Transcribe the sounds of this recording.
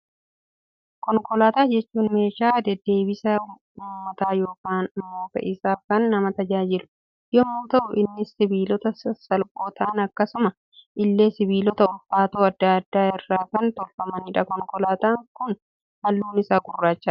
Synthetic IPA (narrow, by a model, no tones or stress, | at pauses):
kɔŋkɔlaːt̪aːd͡ʒɛt͡ʃːuːnme̞ːʃaːd̪ɛd̪ːe̞ːbɪsɐ | uːmːɐt̪aːjo̞ːkaːnmoːfɐ̰ʔɪsaːkɐnːɐmɐt̪ɐd͡ʒaːd͡ʒɪlʊ̥ | jɔmːuːt̪ɐʔʊʔɪnːɪsɪbiːlɔt̪ɐsɐlkʼoːt̪ʰɐːnɐkːɐsʊmɐ | ʔɪlːe̞ːsɪbiːlɔt̪ɐʊlfaːt̪oːɐd̪ːaːɐd̪ːaːɪrːaːkɐnt̪ɔlfɐmɐniᶑɐkɔŋkɔlaːt̪aːŋkʊn | hɐlːuːnɪsaːɡʊrːaːt͡ʃːɐ